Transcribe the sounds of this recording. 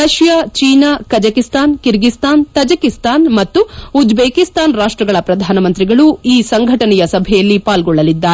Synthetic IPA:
ɐʃjaːt͡ʃiːnakɐd͡ʒɐkist̪aːnkiɾɡist̪aːnt̪ɐd͡ʒɐkist̪aːnmɐt̪ːuud͡ʒbeːkist̪aːnɾaːʂʈɾɐɡɐɭɐpɾɐd̪ʱaːnɐmɐnt̪ɾiɡɐɭuiːsɐŋɡʱɐʈɐnɛjɐsɐbʱɛjɐlːipaːlɡɔɭːɐlid̪ːaːɾe

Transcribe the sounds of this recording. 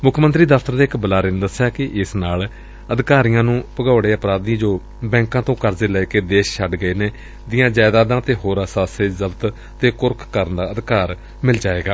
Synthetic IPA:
mʊkʰːmənt̪ɾiːd̪əfʰt̪əɾd̪eːɪkbəlaːɾɪːnd̪əsːjaːkɪʔɪsnaːl | əd̪kaːɾijãːnũːpəɡaːɽeːəpɾaːd̪ĩːd͡ʒoː | bɛ̃ːŋkãːt̪õːkəɾzeːlɛːkeːd̪eːʃʃʰəɖɡəeːneː | d̪ɪjãːd͡ʒaːɪd̪aːd̪ãːt̪eːɦoːɾaːsaːseːzəbt̪ | t̪eːkʊɾkʰkːəɾənd̪aːəd̪kaːɾ | mɪld͡ʒaːeːɡaː

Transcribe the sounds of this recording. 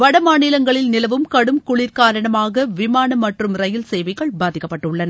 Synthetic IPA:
ʋɐɽɐmaːnɪlɐŋɡɐɭɪlnɪlɐʋɯmkɐɽɯmkʊɭɪɾkaːɾɐɳɐmaːɣɐʋɪmaːnɐmːɐʈrɯmɾɐjɪlsɛjʋɐɪɣɐɭbaːðɪkːɐpːɐʈːɯɭːɐnɐ

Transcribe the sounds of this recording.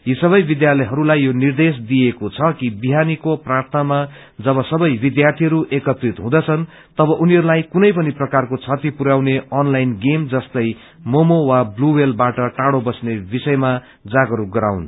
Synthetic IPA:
jisʌβʌjbid̪jalʌjɦʌɾulajːjonird̪es̬d̪ijekot͡sʰʌkibiɦanikoprart̪ʰama | d͡zʌβʌsʌbʌjbid̪jart̪ʰiɦʌɾuʔekʌt̪rit̪ɦũd̪ʌt͡sʰʌn | t̪ʌbʌʔuniɦʌɾulajkunʌjpʌniprʌkarkot͡sʰʌt̪ipuɾawneʔʌnlajnɡemd͡zʌst̪ʌj | momowabluwelbaʈʌʈaɽobʌsnebisʌjma | d͡zaɡʌɾuɡʌɾawn

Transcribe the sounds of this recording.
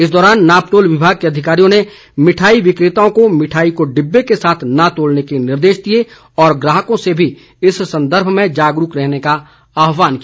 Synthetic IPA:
ɪsd̪ɔːɾaːnːaːpʈoːlʋɪbʱaːɡ̚keɐd̪ʱɪkaːɾijõne | mɪʈʰaːiʋɪkɾɪt̪aõkomɪʈʰaːikoɖɪbːekesaːt̪ʰnat̪oːlnekenɪɾd̪eːʃd̪ie | ɔːɾɡɾaːɦəkõsebʱi | ɪssɐ̃nd̪əɾbʱmẽd͡ʒaːɡɾukɾɛɦneka | aːɦʋaːnkijaː

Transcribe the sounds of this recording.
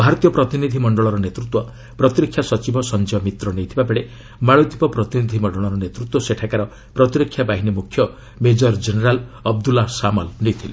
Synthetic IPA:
bʱaɾɔt̪ijɔpɾɔt̪inid̪ʱimɔɳɖɔɭɔɾɔnet̪ɾut̪wɔ | pɾɔt̪iɾikʰjasɔt͡ʃibɔsɔnd͡ʒiɔmit̪ɾɔnejt̪ʰibabeɭe | maɭut̪ipɔpɾɔt̪inid̪ʱimɔɳɖɔɭɔɾɔnet̪ɾut̪ːwɔseʈʰakaɾɔ | pɾɔt̪iɾikʰːjabaɦinimukʰːjɔ | med͡ʒɔɾd͡ʒeneɾalɔb̚d̪ulasamɔlnejt̪ʰile

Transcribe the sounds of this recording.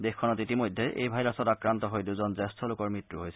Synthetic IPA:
dexkʰːɔnɔtitimojdʱːeʔḛjbʱajlasɔtakɹantɔɦojduzɔnzɛstʰɔlʊkɔɹmɹitɹuɦojsɛ

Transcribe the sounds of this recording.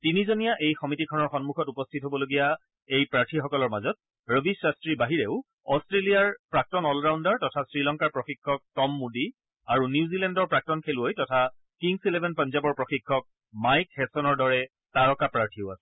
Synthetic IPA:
tinizonijaʔejxɔmitikʰɔnɔɹxɔnmuxɔtupɔstʰitɦobɔloɡija | ejpɹaɹtʰixɔkɔlɔɹmazɔt̚ | ɹəbʱisːastɹibaɦiɹeʊ | ɔstɹelijaɹpɹak̚tɔnɔlɹawndaɹtɔtʰasɹilɔŋkaɹpɹɔxikʰːɔk̚tɔmːudi | aɹunjuzilɛndɔɹpɹak̚tɔnkʰeluojtɔtʰa | kiŋsilɛbʱɛnpanzabɔɹpɹɔxikʰːɔk̚ | majkhɛsɔnɔɹdɔɹɛ | taɹɔkapɹaɹtʰiʊasɛ̥

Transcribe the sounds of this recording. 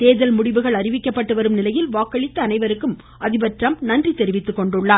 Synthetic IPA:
t̪eːðɐlmʊɽɪʋɯɣɐɭɐrɪʋɪkːɐpːɐʈːɯʋɐɾɯmnɪlɐjɪlʋaːkːɐɭɪt̪ːɐːnɐɪʋɐɾɯkːɯm | ʔɐðɪbɐʈrɐmnɐndrit̪ːɛɾɯʋɪt̪ːɯkːɔɳɖɯɭːaː

